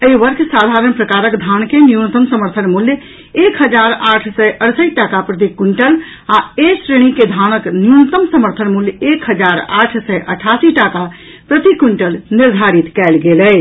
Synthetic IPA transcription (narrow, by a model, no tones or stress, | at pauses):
əiʋəɾkʰsad̪ʱaɾənpɾəkaɾəkd̪ʱankenjunət̪əmsəməɾt̪ʰənmuljə | ekɦəd͡ʒaɾaʈʰsəjʔəɽsəʈakapɾət̪̬ikuɳʈəl | aesɾeɽ̃iked̪ʱanəknjunət̪əmsəməɾt̪ʰənmuljəekɦəd͡ʒaɾa̰ʈʰsəʔəʈʰasiʈaka | pɾət̪ikuɳʈəlniɾd̪ʱaɾit̪kɛlɡeləj